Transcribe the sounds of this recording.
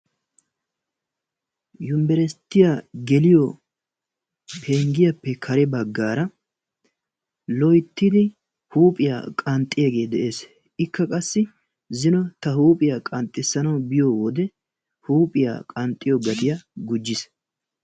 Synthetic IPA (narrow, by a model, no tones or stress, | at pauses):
jʊmbɛɾɛst̪ːɪjaɡɛlɪjɔ | pʰeːŋɡɪjɐpːɛkʰɐɾɛbɐɡːaːɾɐ | lɔjt̪ːɪd̪ɪ | huːpʼɪja̰ːkʼɐnt̪ʼːɪjɐɡe̞ːd̪ɛʔe̞ːs | ɪkʰːɐkʼɐsːɪ | zɪnɔt̪ɐhuːpʼɪjaːkʼɐnt̪ʼːɪsːɐnɐwbɪjowɔd̪ɛ | huːpʼɪja̰ːkʼɐnt̪ʼːɪjɔɡɐt̪ɪjaɡʊd͡ʒːɪs